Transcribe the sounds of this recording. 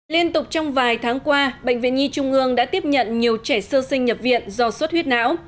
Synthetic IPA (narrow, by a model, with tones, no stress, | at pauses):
li˧ənt̪ʊ˨˩k͡p̚t͡ɕɔ˧wŋ͡mvaː˨˩jt̪ʰaː˨˦ŋkwaː˧ɓə̰˧˨ŋ̟vḭ˧˨nɲi˧t͡ɕʊ˧ŋ͡mʔɨ˧əŋɗa̰ː˧˥t̪i˦˥əp̚ɲə̰˧˨nɲi˨˩əwt͡ɕɛ˧˩səː˧sï˧ŋ̟ːɲə˨˩p̚vḭ˧˨ənzɔ˧swə˦˥t̚hwi˦˥t̚na̰ː˧˥w